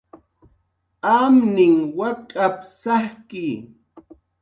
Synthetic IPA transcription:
amnɪŋwakʼapsahkɪ

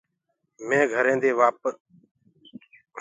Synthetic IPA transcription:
mẽːɡʱəɾẽːd̪eːʋaːpə

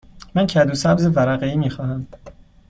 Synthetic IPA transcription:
mæncʰæd̪uːsæbzevæɾæɣeiːmiːxɒːhæm

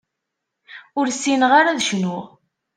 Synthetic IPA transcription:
ʊɾsːinəʁaɾaðʃnʊʁ

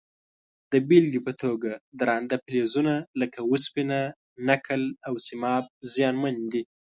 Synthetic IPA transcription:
d̪̥əbilɡipət̪ʰoɡad̪ɾɑnd̪aplezunaləkawuspina | nakʰəlawsɪmɑb̚zjɑnmand̪i

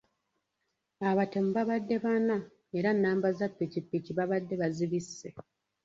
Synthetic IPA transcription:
aβate̞muβaβadːe̞βana | eɾanːaːmbazapːicipːiciβaβadːe̞βaziβisːe̞

